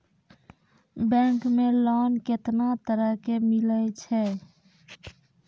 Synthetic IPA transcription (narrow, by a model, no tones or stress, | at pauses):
bɛ̃ŋkmelɔnket̪nat̪əɾəɦkemilət͡ʃʰɛ